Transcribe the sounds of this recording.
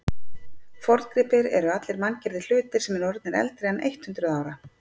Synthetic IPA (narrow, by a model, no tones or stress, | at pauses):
fɔɾt̪kɾɪːpɪɾɛɾʏat̪lɪɾmancɛɾðɪl̥ʏːt̪ɪɾ̥sɛmɛɾɔɾt̪nɪɾɛ̰lt̪ɾeɣanḛjht̪hʉnt̪ɾʏðaːwɾa